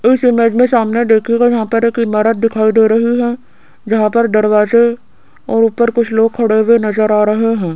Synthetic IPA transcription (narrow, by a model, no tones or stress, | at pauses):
ɪsɪmeːd͡ʒmẽsaːmned̪eːkʰeɡad͡ʒɐɦãpɐɾeːkɪmaːɾət̪̚d̪ɪkʰaːid̪eːɾɐɦiɦɛ̃ː | d͡ʒɐɦãpɐɾd̪ɐɾwaːze | ɔːɾʊpːəɾkʊt͡ʃʰloːɡ̚kʰɐɽewenɐzəɾaːɾɐɦeɦɛ̃ː